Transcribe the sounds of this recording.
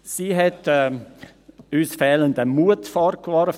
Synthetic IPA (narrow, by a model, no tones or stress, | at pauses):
siːɦɛtɛ | yːsfɛːləndəmuətfɔɾkʋɔɾ